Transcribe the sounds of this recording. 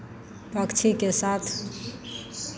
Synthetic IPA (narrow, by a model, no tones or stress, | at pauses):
pəkt͡ʃʰikesat̪ʰ